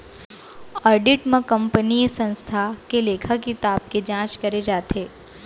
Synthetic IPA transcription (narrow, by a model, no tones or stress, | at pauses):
əɾɖiʈmãkəmpənijsə̃nst̪ʰakeleːkʰəkit̪aːb̚ked͡ʒãːt͡ʃkəɾed͡ʒaːt̪ʰeː